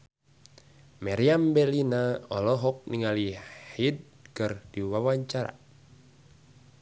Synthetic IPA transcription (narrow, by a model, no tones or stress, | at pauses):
maɾiambɛlinaɔ̰lɔɦɔk̚niŋalihid̚ | kɨrdiwawaɲt͡ʃaɾa̰